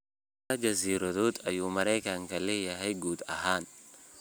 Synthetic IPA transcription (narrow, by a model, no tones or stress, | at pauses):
tɐd͡ʒɐziːɾɔt̪uːt̪ɐjuːmɐɾeːkaŋkɐlːɛjɐɦɐjɡuːt̪ɐɦaːn